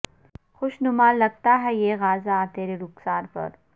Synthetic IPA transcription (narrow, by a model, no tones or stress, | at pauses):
xʊʃnʊmaːlːɐɡ̚t̪aɦɛjeːɣaːzaːt̪eːɾeɾʊksaːɾpɐ̰ɾ